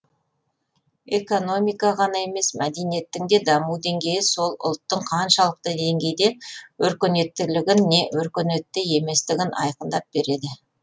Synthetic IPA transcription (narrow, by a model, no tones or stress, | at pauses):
e̞ko̞no̞mijkɑʁɑnɑe̞me̞smæd̪e̞nije̞t̪ːɪŋd̪e̞d̪ɑmud̪e̞ŋɡʲe̞jɪso̞lˠʊ̰lˠt̪ːəɴqʰɑnʃɑlˠəq̚t̪əd̪e̞ŋɡʲe̞jd̪e̞wɵɾkʲɪne̞t̪ːɪlɪɡʲɪnːe̞wɵɾkʲɪne̞t̪ːɪe̞me̞st̪ɪɡʲɪnʔɑ̰jqənd̪ɑp̚be̞ɾe̞d̪ɪ